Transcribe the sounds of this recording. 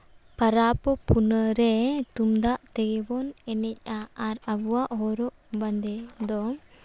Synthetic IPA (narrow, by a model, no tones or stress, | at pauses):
paɾapɔpunəɾɛt̪umd̪aʔt̪ɛɡɛbɔnɛnɛc̚ˀaːɾabuwaʔɦɔɾɔʔband̪ɛd̪ɔ